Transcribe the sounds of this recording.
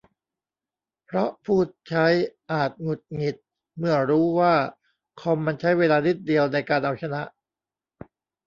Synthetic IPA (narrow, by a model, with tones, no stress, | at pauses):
pʰɾɔ˦˥ʔpʰuː˥˩t̪̚t͡ɕʰa˦˥jʔaː˨˩t̪̚ŋu˨˩t̪̚ŋi˨˩t̪̚ | mɯ˥˩ɐɾuː˦˥waː˥˩ | kʰo˧mːa˧nt͡ɕʰa˦˥jweː˧laː˧ni˦˥˩t̪̚di˧əwna˧jkaː˧nʔa˧wt͡ɕʰa˧na˦˥ʔ